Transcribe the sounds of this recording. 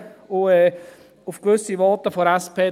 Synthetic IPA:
ʊɛ | ʊfkʋʏsiʋɔtəfoɾɛspʰeː

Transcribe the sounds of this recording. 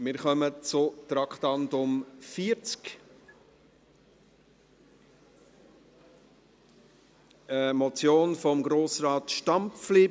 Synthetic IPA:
mɪːɾχœmət͡sʊt̪ɾɑkχtɑndʊmfiːəɾt͡sk | əmɔt͡sjoːnfɔmɡɾoːsrɑːtʃtɑmfliː

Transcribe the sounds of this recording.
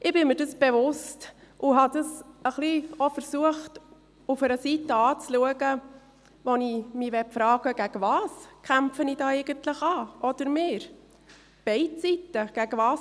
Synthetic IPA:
ʔɪb̥ɪmɪɾdɑsb̥ɛvʊstʔʊɦɑdɑsəχliofəɾsuəχt | ufəɾəsitːəɑːt͡sluəɡə | ʋɔnimiʋɛfɾɑːɡ̥əɡ̥æɡəvɑːskʰχæmfənidɑːɛɪɡ̥əntləχɑːʔɔd̥əɾmɪːɾ | b̥ɛɪtt͡sitːəɡ̥æɡ̥əvɑːs

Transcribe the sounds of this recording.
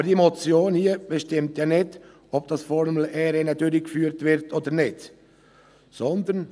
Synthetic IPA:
bəd̥iemɔt͡sjoːnhiəb̥ɛʃtɪmtjɑːnɪd | ɔb̚d̥ɑsfɔɾml̩ʔɛːɾɛnədøɾikfyːɾtvɪɾtʰoːd̪əɾnɪd | sɔnd̪ən

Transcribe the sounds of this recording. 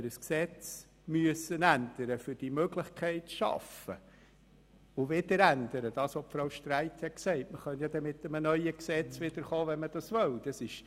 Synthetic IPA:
əɾəsksɛt͡s | myəsənænd̪̥əɾəfʏɾd̥imøɡlɪχkʰɛɪtʃɑ̰fə̰ | ʊvɪdəɾænd̥̪əɾəd̥ɑːsɔpfɾoʊʃtɾæɪthɛksɛɪtməχœnjɑd̪ɛmɪt̪əmənœʏəksɛt͡svɪd̥̪əɾχoːvɛnməd̥ɑsʋœld̥ɑsɪʃ

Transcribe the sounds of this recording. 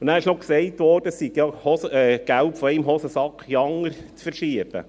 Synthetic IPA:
ʊnnæːɾɪʃnɔksɛɪtʋɔːɾd̥əssikjɑhɔsɛɡ̥ælpfɔɪmɦɔsəsɑkχjɑŋəɾt͡sfəɾʃiəb̥ə̰

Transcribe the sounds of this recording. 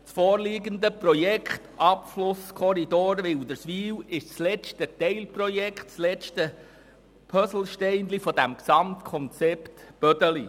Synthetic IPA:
t͡sfɔːɾliɡənd̪əprɔjɛkχtɑpflʊskʰɔɾid̪oːɾʋɪwd̪əɾsʋiːwɪʃt͡slɛt͡ʃtət̪ɛɪlprɔjɛkχtt͡slɛt͡ʃtə | pʰœsl̩ˠʃtɛɪndlifɔd̥̪æmksɑmt̪kʰɔnt͡sɛpt̪b̥œd̪əli

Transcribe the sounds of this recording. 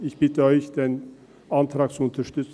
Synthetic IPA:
ɪçb̥ɪtəɔʏçd̥̪en | ɑnt̪ʰɾɑːk̚t͡suʊnt̪ʰɐʃtʏt͡s

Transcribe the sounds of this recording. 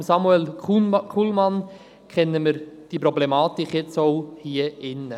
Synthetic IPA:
msɑmuɛlkʰulmɑn | kʰɛnːəməɾd̥ipɾɔblemɑːtikχjɛt͡soʊhiːəɪnːə

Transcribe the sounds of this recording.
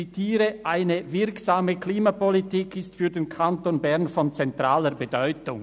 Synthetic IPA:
itʰiːɾəʔaɪnəvɪɾksaːməkliːmapɔlitikʰɪstfyːɾdenkʰantoːnbɛʁnfɔnt͡sɛntʁ̥aːləɾbədɔʏtʊŋ

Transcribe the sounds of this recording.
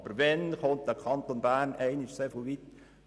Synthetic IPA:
bəɾvɛnχont̚dəkʰɑnt̪onbæːrnɛɪnɪʃseːfolʋit̪

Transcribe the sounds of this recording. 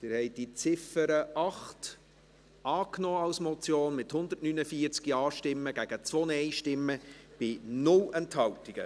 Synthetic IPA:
t̪ɪːɾhɛɪd̥it͡sɪfəɾəʔɑχt | ʔɑːknɔːɑlsmɔt͡sjoːnmɪthʊnd̪ətnynəfiəɾt͡skiɑːʃtɪmːəɡ̥æɡ̥ət͡sʋɔnəɛɪʃtɪmːəb̥ɪnʊlɛnthɑwtiɡ̥ə̰

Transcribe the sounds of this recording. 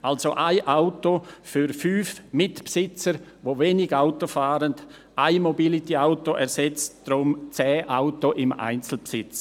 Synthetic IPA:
alsoʔaɪʔaʊtofyɾfyːfmɪtpsɪt͡səɾʋoveːnɪɡaʊtofaːɾənd | ʔaɪmobilit̪iaʊtoʔɛɾsɛt͡std̥ɾʊmt͡sɛːʔaʊtoʔɪma̰ɪnt͡sl̩psɪt͡s

